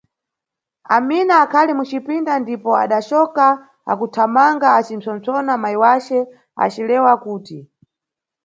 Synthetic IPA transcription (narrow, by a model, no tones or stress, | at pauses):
a̰minaːkʰalimut͡ʃipindandipɔa̰ɗat͡ʃɔka | a̰kutʰamaŋɡaːt͡ʃim̩sɔnt͡sɔnamaiwat͡ʃɛ | a̰t͡ʃilɛwakuːti